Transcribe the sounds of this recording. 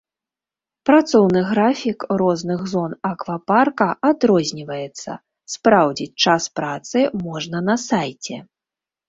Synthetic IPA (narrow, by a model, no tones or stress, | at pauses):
pɾat̪sɔwnɨɣɾafʲikrɔznɨɣzɔnakvɐparkɐʔad̪ɾɔzʲnʲivɐjɛt̪sːɐ̰ | spɾawd͡zʲit͡sʲt͡ʂaspɾat̪sɨmɔʐnɐnɐsajt͡sʲɛ